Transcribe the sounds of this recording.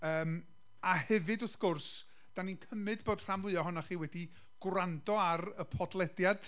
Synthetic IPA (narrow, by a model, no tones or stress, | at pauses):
əːm | ahɛvɨdʊθɡ̥ʊrs | d̥aninkʰəmɨdboːd̥r̥amvʊɨɔɦʊnaχiːwɛdi | ɡ̥randɔarəpʰɔdlˠɛdjad̥